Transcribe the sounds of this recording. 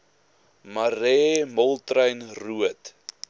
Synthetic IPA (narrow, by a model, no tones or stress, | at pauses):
maɾɛːmɔlˠtrəjnruət